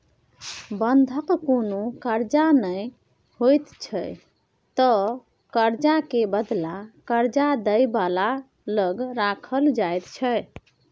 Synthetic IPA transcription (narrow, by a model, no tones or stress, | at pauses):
bənd̪ʱəkkonokəɾd͡ʒanəj | hojt̪t͡ʃʰə | t̪ɔ | kəɾd͡ʒakebəd̪lakəɾd͡ʒad̪əjbala | ləɡɾakʰəld͡ʒajt̪t͡ʃʰə